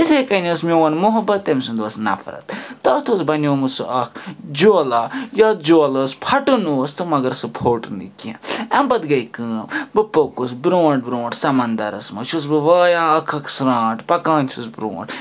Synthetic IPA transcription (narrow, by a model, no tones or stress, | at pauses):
it̪ʰekɐnɐsmʲoʋɐnmuɦɐbɐt̪ːemsɨnd̪oːsnɐ̰fɾɐ̰t̪t̪ɐt̪ʰoːsbɐnʲoːmusɨʔɐkʰd͡ʒoːlajat̪̚d͡ʒoːlɐːspʰɐʈunust̪ɨmɐɡɐɾsɨpʰoːʈnɨ̰kʲḛ̃ɐmbɐt̪ɡɐjkɨːmbɨpokusbɾoːɳʈ̚bɾõːɳʈsɐmɐnd̪ɐɾɐ̰smɐ̰t͡ʃʰus̬bɨʋaːjãːɐkʰɐkʰsɾãːʈpɐkaːnʲt͡ʃʰusbɾõ̰ːɳʈ